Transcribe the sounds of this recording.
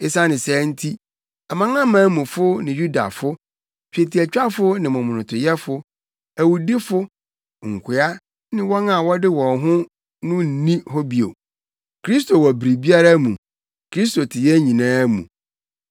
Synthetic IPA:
ɪ˦sa˦nɪ̃˨sɛː˨˦n̩˦tʰi˦ | a˨mã˦ŋã˦mãː˨˦mũ˨fʊ˦nɪ̃˨ju˦da̰˨fʊ˦ | t͡ɕᶣe˨ti˨æ˨t͡ɕᶣa˦fʊ˦nɪ̃˨mɔ̃˨mʊ̃˨nʊ̃˨tʰʊ˨jɛ˦fʊ˦ | æ˨wu˨di˦fʊ˦ | ŋ̩˨kʷʰɪ˨a˦ | nɪ̃˦wɔ̃˦nã˨wɔ˦dɪ˦wɔ̃˨nɦʊ̃˦ | nʊ̃˦n̩˨nĩ˦ɦɔ˦bi˨o̰˨ | kʰɾi˦s̬tʰo˨wɔ˨bɾi˨bi˦a˦ɾa˦mũ˨ | kʰɾi˦s̬to˨tʰɪ˨jɛ˦ɲĩ˨nãː˦mṵ̃˨

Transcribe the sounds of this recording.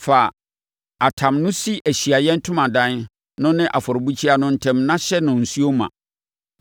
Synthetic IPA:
faː˨ | a˨tʰã˨mnʊ̃˦si˦ʔæ˨ɕi˨a˨jɛ̃˦n̩˦tʰʊ̃˦mã˨dã˦n | nʊ̃˦nɪ̃˦ʔa˨fɔ˨ɾbu˦t͡ɕʰi˦a˦nʊ̃˦n̩˦tʰɛ̃˦mnã˦ɕɛ˦nʊ̃˨n̩˨su˦o˦mã̰˨

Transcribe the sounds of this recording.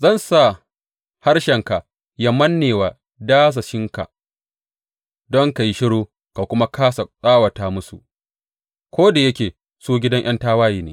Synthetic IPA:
zɐ˦˨nsa˦˨ | ha˦ɽʃɛ˨ŋka˨ | jɐ˦mɐ˦nːeː˨waː˨ | daː˦s̬a˨ʃɪ˦ŋka̰˨ | dɔ˦ŋka˨ji˦ʃɪ˦ɽoː˦ | ka˨kʷʊ˦ma˦kaː˦sa˨sʼaː˦wɐ˨taː˨mʊ˦sṵ˨ʔ | kʷoː˦da˨jɐ˦kʲeː˨ | suː˦ɡʲɪ˦dɐ˦ŋʔɐ˦ntaː˦waː˦jiː˨neː˨

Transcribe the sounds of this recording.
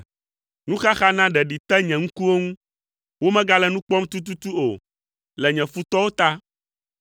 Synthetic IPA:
nũ˦xa˦xa˦nã˦ɖɛ˨ɖi˨t̪ɛ˦ɲɛ̃˨ŋũ˦ku˦wo˦ŋũ˦ | wo˦mɛ̃˦ɡa˦lɛ˦nũ˦k͡pɔ˦mt̪u˦t̪̬u˦t̪u˦o˨ | lɛ˨ɲɛ̃˨fu˦t̪ɔ˦wo˦t̪a˦

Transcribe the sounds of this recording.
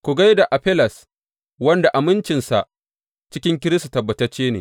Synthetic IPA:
kʷu˨ɡa˦jda˨ʔa˨ɸɛ˦lɐ˨s | wɐ˦nda˨ʔa˨mɪ˦nt͡ʃɪ˨nsa̰˨ʔ | t͡ʃɪ˦kʲɪ˦ŋk̬ʲɪ˦ɾɪ˦sa˨tɐ˨bːɐ˨tɐ˦t͡ʃːeː˦nḛː˨

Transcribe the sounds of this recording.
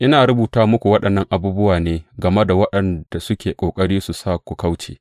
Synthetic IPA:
ʔɪ˦naː˨ɽʊ˦buː˨taː˦mʊ˦kʷu˨wɐ˦ɗɐ˨nːɐ˦ŋʔa˨buː˦bʊ˦waː˨neː˦ɡɐ˨me˦da˨wɐ˦ɗɐ˨nd̥a˨sʊ˦kʲʰeː˨kʷʼoː˨kʼɐ˦ɽiː˦su˨saː˦˨kʷu˨kɐ˦wt͡ʃḛː˨

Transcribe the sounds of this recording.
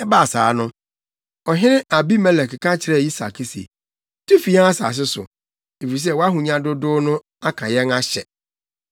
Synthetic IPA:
ɛ˦ba˦a˨saː˨˦nʊ̃˦ | ɔ˨ɦɪ̃˦nɪ̃˦ʔa˨bi˦mɛ˦lɛ˨kkʰã˦t͡ɕʰɪ˨ɾɛ˦˨ji˦sa̰˨kʰi˦sḛ˨ | tʰu˦fi˨˦a˦a˦sa̰ː˨s̬ɪ˦sʊ̰˨ | e˨fi˨i˨s̬ɛ˦˨wɔ˦a˦ɦũ˨ɲã˨dʊ˦dʊː˦nʊ̃˦ | a˦kʰã˨jɛ˦na˦ɕɛ̰˨

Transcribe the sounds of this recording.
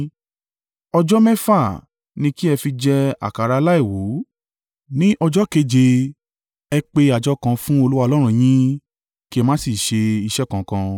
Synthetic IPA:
ɔ˧d͡ʒɔ˦mɛ̃˦fa˦˨ | nĩ˧ki˦ɛ˧fi˧d͡ʒɛ˦a̰˨ka˨ɾa˧la˦i˦˨wo˨˦ | nĩ˦ʔɔ˧d͡ʒɔ˦ke˧d͡ʒe˧ | ɛ˧k͡pe˧a˨d͡ʒɔ˦kã˧fũ˦o˧lu˦wa˦˧lɔ˦ɾ̃ũ˦˧j̃ĩ˦ | ki˦ɛ˧mãː˦si˦˨ʃe˧i˧ʃɛ˦kã˨kã˧

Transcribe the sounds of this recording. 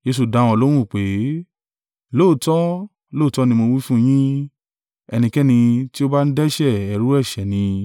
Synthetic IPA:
d͡ʒe˧su˨dã˨˧˦ɔ˧lo˦w̃ũ˦˨k͡pe˨˦ | loː˦˨tɔ˦ | loː˦˨tɔ˦nĩ˧mo˧wi˦fũ˦j̃ĩ˦ | ɛ˧nĩ˧kɛ˦nĩ˧ti˦o˦ba˦n̩˦dɛ˦ʃɛ˦˨ɛ˨ɾu˨˦ɛ˦˨ʃɛ˨nĩ˧

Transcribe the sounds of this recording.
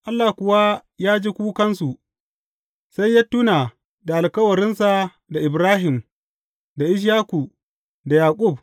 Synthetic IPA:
ʔa˦lːaː˨kʷʊ˨wa˦jaː˦d͡ʒiː˦kʷuː˦kɐ˦nsu˨ | sa˦jːa˦tːuː˦naː˨ | da˨ʔa˨lkɐ˦wɐ˨ɾɪ˦nsa˨ | da˨ʔɪ˨bɾaː˦ɦɪ˨m | da˨ʔɪ˦ʃ̬jaː˦ku˨ | da˨jaː˨kʼʊ˦˨b̚

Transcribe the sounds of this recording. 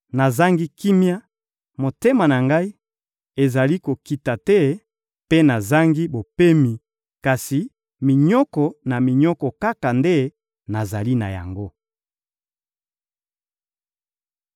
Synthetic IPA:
na˨za˦ŋɡi˦ki˦mja˦ | mo˨te˦ma˨na˨ŋɡa˦i˦ | e˨za˨li˦ko˨ki˨ta˨tɛ˦ | pe˦na˨za˦ŋɡi˦bo˨pe˦mi˨ | ka˨si˨ | mi˨ɲɔ˦kɔ˨na˨mi˨ɲɔ˦kɔ˨ka˦ka˨nde˦ | na˨za˨li˦na̰˨ja̰˨ŋɡo˦

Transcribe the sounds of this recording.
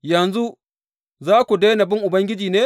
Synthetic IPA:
jɐ˨nzu˦ | zaː˦kʷu˨deː˦na˨bɪ˦ŋʔʊ˨bɐ˦ŋɡʲɪ˦d͡ʒiː˨neː˦

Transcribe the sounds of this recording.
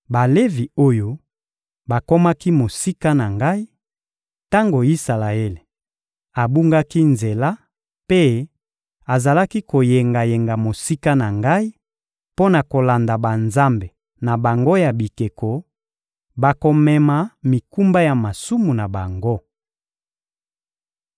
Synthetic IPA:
ba˨le˦vi˨o˦jo˦ | ba˨ko˦ma˦ki˦mo˨si˦ka˦na˨ŋɡa˦i˦ | ta˦ŋɡo˨i˦sa˨la˨e˦le˨ | a˨bu˦ŋɡa˦ki˦nze˨la˦ | pe˦ | a˨za˨la˦ki˦ko˨je˨ŋɡa˨je˨ŋɡa˨mo˨si˦ka˦na˨ŋɡa˦i˦ | po˦na˨ko˨la˨nda˨ba˨nza˦mbe˨ | na˨ba˨ŋɡo˦ja˨bi˨ke˨ko˨ | ba˨ko˨mɛ˨ma˨mi˨ku˦mba˦ja˨ma˨su˦mu˨na˨ba˨ŋɡo˦

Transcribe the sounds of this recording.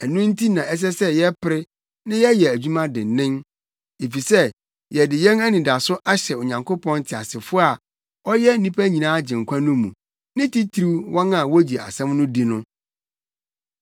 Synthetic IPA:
æ˨nũ˦n̩˦tʰi˦nã˨ʔɛ˦s̬ɛ˦sɛ˦jɛ˦pʰɪ˨ɾɪ˦ | nɪ̃˦jɛ˦jɛ˨æ˨d͡ʑᶣu˦mã˦dɪ̃˨nːɪ̃˦n | e˨fi˨sɛ˦ | jɛ˨dɪ˨jɛ̃˦næ˦nĩ˨da˨sʊ˦ʔa˦ɕɛ˨o˨ɲã˨ŋko˦pʰɔ̃˦n˦tʰɪ˨a˨sɪ˨fʊ˦a˨ | ɔ˦jɛ˦nĩ˦pʰæ˦ɲĩ˨nãː˦d͡ʑɪ̃˨ŋ̩˨kʰʷã˦nʊ̃˦mũ˨ | nɪ̃˦tʰi˦tʰɾu˦wɔ̃˦na˨wɔ˦d͡ʑi˨a̰˨sɛ̃˦mnʊ̃˦di˦nʊ̃˦

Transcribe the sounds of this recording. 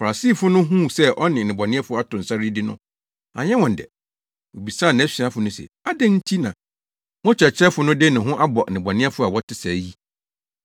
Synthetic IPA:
fa˨a˨siː˦˨fʊ˦nʊ̃˦ɦũ˦sɛ˦ʔɔ˦nɪ̃˨nɪ̃˨bɔ˨nɪ̃˦ɛ˦fʊ˦a˦tʊ̃˨n̩˨sa˦ɾi˦dɪ˦nʊ̃˦ | a̰˨ɲɛ˦wɔ̃˨n̩˨dɛ̰˨ | wo˨bi˨sãː˦˨nã˨æ˦si˨ã˦fʊ˨˦nʊ̃˦sɛ̰˨ | a˦dɛ̃˦n̩˦tʰi˦nã˨ | wɔ̃˦t͡ɕᶣɛ˨t͡ɕʰɾɛ˦fʊ˦nʊ̃˦dɪ˦nɪ̃˨ɦʊ̃˦ʔa˦bɔ˨nɪ̃˨bɔ˨nɪ̃˦ɛ˦fʊ˦a˨wɔ˦tʰɪ˦sa˨ji˦

